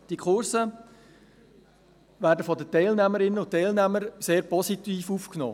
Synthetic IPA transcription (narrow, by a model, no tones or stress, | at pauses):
d̥ikʰχʊɾsə | ʋæːɾdəfɔdətɛɪlnæməɾɪnəʊntːɛɪlnæməɾseːɾpɔsitiːfuːfknɔ̰ː